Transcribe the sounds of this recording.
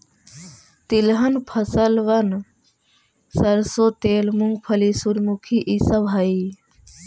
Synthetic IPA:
t̪ilɦənpʰəsəlʋən | səɾsot̪eːlmuŋɡpʰəlisuɾmukʰiʔisəbʱaːi

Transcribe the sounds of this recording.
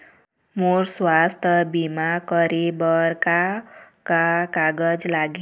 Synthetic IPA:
morswast̪ʰʌbimakʌɾebʌrka | kakaɡʌd͡zlaɡi

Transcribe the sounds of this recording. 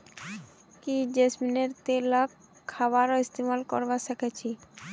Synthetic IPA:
kid͡ʑesmineɾt̪elakʰː | aβaɾɔist̪imalkɔ̰ɾbaʃekʰet͡ɕʰi

